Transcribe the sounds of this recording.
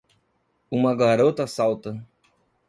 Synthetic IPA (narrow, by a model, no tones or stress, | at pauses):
ũmɐɡaɾot̪ɐsawt̪ɐ